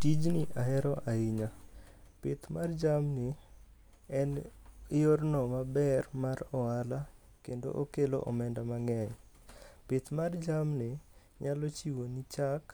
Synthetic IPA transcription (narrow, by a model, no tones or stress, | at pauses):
tid͡ʒnɪʔaɦɛɾɔʔaiɲapɪt̪mard͡ʒamnɪ | ɛnjornɔmabɛrmaɾɔala | kendo̰ʔokelo̰ʔɔmɛndamaŋɛɲ | pɪt̪mard͡ʒamnɪ | ɲalot͡ʃiwonit͡ʃak